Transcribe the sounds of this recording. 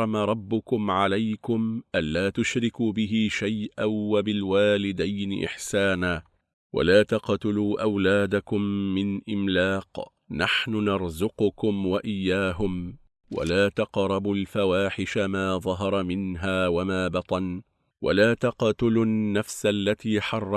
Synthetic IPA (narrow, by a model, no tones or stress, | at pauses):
ɑmaɾˤɑbːʊkʊmʕalajkʊmʔanːaːt̪ʊʃɾɪkuːbɪɦɪʃajʔawabɪlwaːlɪd̪ajnɪ̰ʔɪ̰ħsaːnaː | wa̰laːt̪ɑqt̪ɪluːʔawlaːd̪akʊmːɪnʔɪmlaːq | naħnʊnɑɾˤzʊqʊkʊmwaʔɪjːaːɦʊm | wa̰laːt̪ɑqɾˤɑbʊlfawaːħɪʃamaːðˤɑɦɑɾˤɑmɪnɦaːwamaːbɑt̪ˤɑn | wʔa̰laːt̪ɑqt̪ʊlʊnnːafsalːat̪iːħɑrˤːɑ